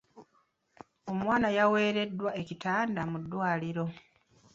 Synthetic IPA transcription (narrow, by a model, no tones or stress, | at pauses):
o̞mwaːnajawe̞ːɾe̞dːwae̞citaːndamudːwaːliɾo̞